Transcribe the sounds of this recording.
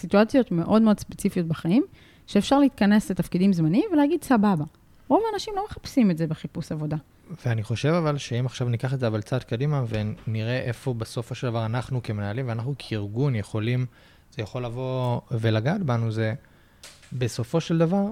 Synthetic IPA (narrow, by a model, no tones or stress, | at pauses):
situat͡sjo̞t̪me̞ʔo̞dmeodspet͡sifijo̞t̪̚baχaim | ʃeːfʃaʁleit̪kɐne̞slet̪afkidimzmanimveleaɡid̪sababa | ʁo̞vaːnaʃimlo̞meχapsimetzebeχipusavo̞da | veaniχo̞ʃe̞vavalʃeimaχʃavnikaχetzeavalt͡sat̪kad̪imave̞niʁeʔefo̞besofo̞ʃeld̪avaʁanaχnukemenaːlimveanaχnukʰeiʁɡunjeχo̞lim | z̥ejaχo̞lːavo̞ve̞laɡadbanuze̞ | be̞so̞fo̞ʃeld̪avaʁ